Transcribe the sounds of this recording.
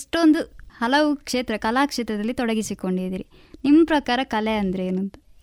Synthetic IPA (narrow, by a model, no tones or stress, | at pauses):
ʂʈo̞nd̪uhɐlɐʋukʂe̞ːt̪ɾɐkɐlaːkʂeːt̪ɾɐd̪ɐlːit̪ɔɽɐɡisiko̞ɳɖid̪iɾi | nimːɐpɾɐkaːɾɐkɐleɐnd̪ɐɾeeːnunt̪ɐ